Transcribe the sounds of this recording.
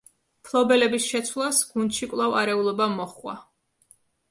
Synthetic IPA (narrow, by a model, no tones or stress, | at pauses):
pʰlˠɔbɛlɛbisʃɛt̪sʰwlˠasɡ̥und̪ʃikʼlˠavaɾɛulˠɔbamɔχwa̰